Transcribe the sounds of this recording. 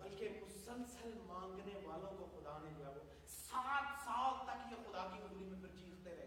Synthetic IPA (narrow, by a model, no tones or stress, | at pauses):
bɐlkemʊsəlsəlmãːŋɡneʋaːlõːkoxʊd̪aːnẽd͡ʒɪaːɡoː | saːt̪saːlt̪ɐkjaxʊd̪aːkiʊblimẽpɐɾt͡ʃiːkt̪eɾɛɦe